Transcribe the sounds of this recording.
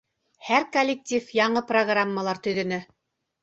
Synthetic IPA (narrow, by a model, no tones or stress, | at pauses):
hæɾkolʲːɪk̚tʲifjɑɴɤproɡramːəlˠɑɾt̪ɵ̆jɾɵ̆nɘ